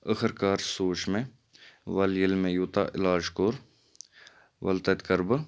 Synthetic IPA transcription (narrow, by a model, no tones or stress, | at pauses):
əxəɾkaːɾsoːʃmẽ | ʋɐljəlmẽjuːt̪a̰ːʔɪlaːd͡ʒkoɾ | ʋɐ̰lt̪ɐt̪kɐɾbə